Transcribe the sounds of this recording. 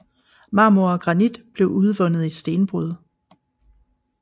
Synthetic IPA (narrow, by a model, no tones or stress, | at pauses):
mɑ̈ːmuɐɒɡ̥ʁɑ̈nid̥b̥le̝ʊʔuð̞ˠʋɔ̽nð̞̩ˠisd̥e̝ːnb̥ʁuð̞ˠ